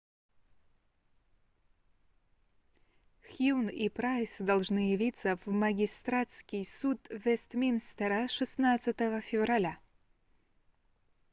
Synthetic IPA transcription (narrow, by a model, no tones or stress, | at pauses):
xʲunipɾajsd̪ɐlˠʐnɨjɪvʲit̪səvmɐɡʲɪst̪ɾat̪skʲɪjsut̪vʲɛst̪mʲinst̪əɾəʂɨsnat̪sɨt̪əvəfʲɪvrɐlʲa